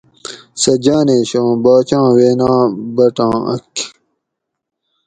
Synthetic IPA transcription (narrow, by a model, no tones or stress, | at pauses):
sɐd͡ʑaːneːɕõːbaːt͡ɕãːweːnãːbɐʈãːɐ̰k